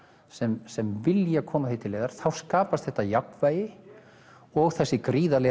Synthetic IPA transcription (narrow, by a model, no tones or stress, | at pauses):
sɛmsɛmvɪljakʰɔːmaθijt̪ʰɪleːðaɾ̥θawskaːpast̪θɛht̪ːajakvaːjɪ | ɔɣθɛsːɪkɾiːðalɛ